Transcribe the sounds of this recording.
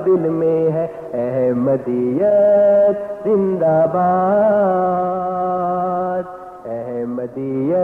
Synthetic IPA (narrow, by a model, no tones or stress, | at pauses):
d̪ɪlmẽɦɛ | ɛɦɛmɐd̪ijəd̪zɪ̃nd̪aːbaː | d̪̚ | ɛɦɛmɐd̪iːjɐ